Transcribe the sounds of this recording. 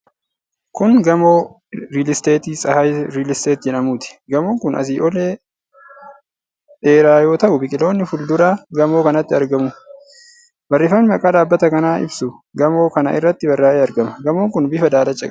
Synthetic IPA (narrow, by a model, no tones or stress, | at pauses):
kʊnɡɐmoː | ɾiːlɪst̪eːt̪iːsʼɐhɐɾiːlɪst̪eːt̪d͡ʒɛᶑɐmuːt̪ɪ̥ɡɐmoːŋkʊnʔɐ̰s̬iːʔɔleː | eːɾaːjo̞ːt̪ɐʔʊbɪkʼɪlo̞ːnːɪfʊld̪ʊɾaːɡɐmoːkɐnɐt̪ːɪɐɾɡɐmʊ | bɐrːɪfɐnɪmɐkʼaːd̪aːbːɐt̪ɐkɐnaːʔɪ̰bsʊɡɐmo̞ːkɐnɐ̰ʔɪ̰rːɐt̪ːɪbɐrːaːʔeːɐɾɡɐmɐɡɐmoːŋkʊnbɪfɐd̪aːlɐt͡ʃʼːɐkʼ